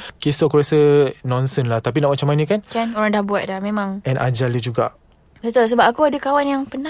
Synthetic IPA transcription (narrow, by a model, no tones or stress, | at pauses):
kesɔkuɾasənɔ̃nsənlaht̪ap̬inaʔmat͡ʃamanə̃kankanoɾaŋdahbuat̪̚dahmẽmãŋʔɛnʔa̰d͡ʒaləd͡ʒuɡa̰ʔ | bət̪ols̬əbap̚akuadakawanjaŋpəna